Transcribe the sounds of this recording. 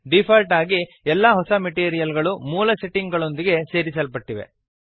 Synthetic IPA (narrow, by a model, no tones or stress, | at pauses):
ɖipʰɐlʈaːɡi | ɛlːɐɦɔsɐmeʈiːɾijɐlɡɐɭumuːlɐseʈːiŋɡɡɐɭo̞nd̪iɡe̞se̞ːɾisɐlpɐʈːiʋe̞̰